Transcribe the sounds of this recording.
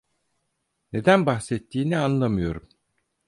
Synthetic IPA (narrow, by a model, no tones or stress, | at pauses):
ne̞d̪ænbaxsɛt̪ʰːiːnianlˠamɯjo̞ɾum